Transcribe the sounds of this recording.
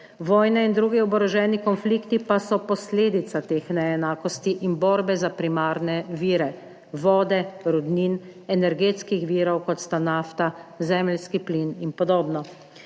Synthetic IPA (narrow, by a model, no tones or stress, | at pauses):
ʋɔːjnɛind̪ɾuːɡiɔbɔɾɔʒɛːnikɔnfliːkt̪ipasɔpɔsleːd̪it̪sat̪eːxnɛɛnaːkɔst̪iʔinbɔːɾbɛzapɾimaːɾnɛʋiːɾɛ | ʋɔːd̪ɛɾud̪ninɛnɛɾɡeːt̪skixʋiːɾɔwkɔt̪st̪anaːft̪azɛmlskiplininpɔd̪oːbnɔ